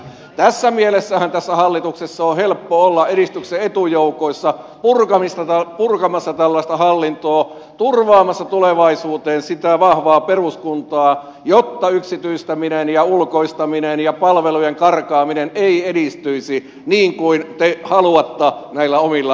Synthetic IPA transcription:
t̪æsːæmielesːæhænt̪æsːæhɑlːit̪uksesːɑohelpːoolːɑʔeɾist̪ykseet̪ujoukoisːɑ | purkɑmist̪ɑæpurkɑmɑsːɑt̪ælːɑist̪ɑhɑlːint̪oː | t̪urʋɑːmɑsːɑt̪uleʋɑisuːt̪eːnsit̪æʋɑhʋɑːperuskunt̪ɑː | jot̪ːɑyksit̪yist̪æminenjɑulkoist̪ɑminenjɑpɑlʋelujeŋkɑrkɑːmineneiedist̪yisi | niːŋkuint̪ehɑluɑt̪ːɑnæilːæomilːɑ

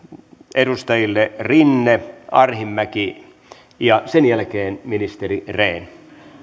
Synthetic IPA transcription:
edust̪ɑjilːerinːeɑrhimːæki | jɑsenjælkeːnminist̪erireːn

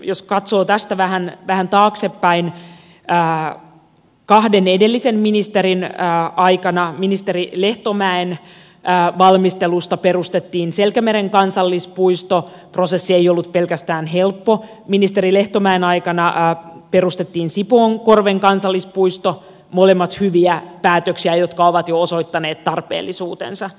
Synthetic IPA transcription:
joskɑt̪soːt̪æst̪æʋæhænʋæhænt̪ɑːksepːæin | əː | kɑhdenedelːisemminist̪eɾinːɑikɑnɑminist̪eɾileht̪omæenː | ʋɑlmist̪elust̪ɑperust̪et̪ːiːnselkæmeɾeŋkɑnsɑlːispuist̪o | pro̞sesːiejolːut̪̚pe̞lkæst̪æːnɦe̞lpːo̞ | minist̪eɾile̞ht̪omæenɑjkɑnɑpe̞rust̪et̪ːiːnsipoːŋko̞rʋeŋkɑnsɑlːispuist̪o | molemːɑt̪hyʋiæpæːt̪øksiæjot̪kɑoʋɑt̪jooso̞it̪ːɑneːt̪t̪ːɑrpḛːlːisuːt̪ensɑ

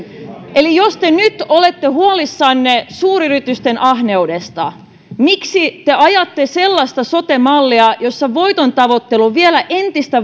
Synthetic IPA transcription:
ʔelijost̪enyt̪olet̪ːehuɑlisːɑnːesuːɾyrit̪yst̪enʔɑhneudest̪ɑ̰ | miksit̪eɑjɑt̪ːeselːɑst̪ɑsot̪emɑlːiɑjo̞sːɑʋo̞it̪ont̪ɑʋot̪ːeluʋielæʔent̪ist̪æ

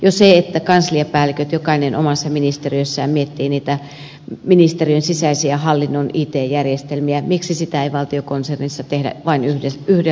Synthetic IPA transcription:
joseet̪ːækɑnsliepæːlikøt̪jokɑinenʔo̰mɑsːɑminist̪eriøsːæjmiet̪ːiːniːt̪æ | minist̪eriønsisæisiæhɑlːinːonʔiːt̪eːjjærjest̪elmiæmiksisit̪æeiʋɑlt̪iokonsernisːɑt̪ehdæ̰ʋɑinyheyhde

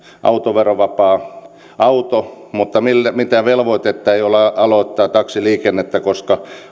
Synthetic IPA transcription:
ʔɑ̰ut̪oʋeroʋɑpɑː | ɑut̪o | mut̪ːɑmilːæmit̪æʋelʋoit̪et̪ːɑeijolɑɑloˑit̪ːɑːt̪ɑksiliːkenːet̪ːækoskɑ

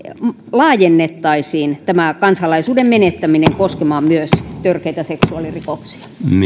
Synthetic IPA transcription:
m | lɑːjenːet̪ːɑisiːnt̪æmækɑnsɑlɑisuːdemmenet̪ːæmineŋkoskemɑːmyøst̪ørkeit̪æseksuɑlirikoksi̥ɑ̥m

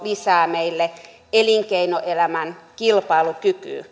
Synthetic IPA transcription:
lisæːmeilːe | eliŋkeinoʔelæmænkilpɑilukyky̰ː

